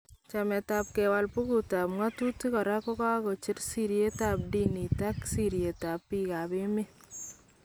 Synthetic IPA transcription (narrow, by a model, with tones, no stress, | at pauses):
t͡ʃamɛ˨ta˨p̚kɛwa˨lpu˦ku˨ta˨pŋa˦tu˦ti˦kɔ˨ɾa˦kɔ˦ka˦kɔ˨t͡ʃɪ˦ɾsiɾje˦ta˨p̚di˦ni˨ta˦ksiɾje˨ta˨pːi˦ka˨be˦me˦